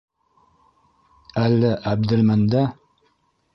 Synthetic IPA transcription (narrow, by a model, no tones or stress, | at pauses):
ælːæʔæb̚d̪ɘ̆lmænd̪æ